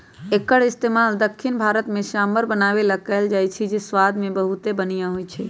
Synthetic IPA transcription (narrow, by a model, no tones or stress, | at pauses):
ekəɽɪst̪emald̪əkʰːinbʱaːɾət̪mẽʃaməɾbənaːʋelakɛːld͡ʒajt͡ʃʰid͡ʒeswad̪mẽbəɦut̪ebənijaɦojt͡ʃʰɛ